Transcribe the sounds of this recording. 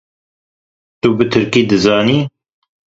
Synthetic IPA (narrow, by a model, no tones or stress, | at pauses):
t̪ubɨt̪ʰɨɾkiːd̪ɨzɑːniː